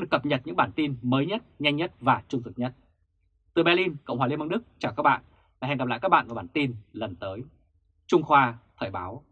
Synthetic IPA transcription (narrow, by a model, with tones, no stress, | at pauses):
ɨ˨˩kːə˨˩p̚ɲə˨˩t̚ɲɨ̰˧˥ŋɓaː˧˩nt̪i˧nməː˨˦jɲə˦˥t̚ɲa˧jŋ̟ɲə˦˥t̚vaː˨˩t͡ɕʊ˧ŋ͡mt̪ɨ˨˩ɲə˦˥t̚ | t̪ɨ˨˩ɓɛ˧li˧nkə̰˧˨wŋ͡mhwaː˨˩i˧mə˧nɗɨ˦˥k̚t͡ɕaː˧˩kaː˦˥k̚ɓa̰ː˧˨ʔ | vaː˨˩ɛ˨˩ŋɡa˨˩la̰ː˧˨kaː˦˥ɓ̰a̰ː˧˨ku˧˩ɓaː˧˩nt̪i˧nlə˨˩nt̪əː˨˦j | t͡ɕʊ˧ŋ͡mxwaː˧t̪ʰəː˧˩jɓaː˨˦w